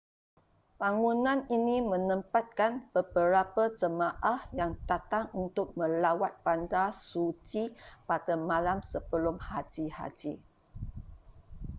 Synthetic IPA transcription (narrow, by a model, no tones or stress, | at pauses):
b̥aŋunãninimə̃nə̃mpat̪̚kanb̥əbəɾapad͡ʒəmaʔahjaŋd̥at̪aŋunt̪ʊk̚mə̃lawat̪̚pandasut͡ʃipadamãlamsəbəlʊmhad͡ʒiha̰d͡ʒi